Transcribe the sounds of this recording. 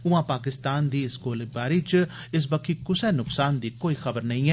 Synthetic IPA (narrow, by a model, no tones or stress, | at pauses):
ʊãːpaːkɪst̪aːnd̪iːɪskoːlbaːɾiːt͡ʃ | ɪs̬bəkʰiːkʊsɛːnʊksaːnd̪iːkoːiːxəbəɾnəĩːɦɛː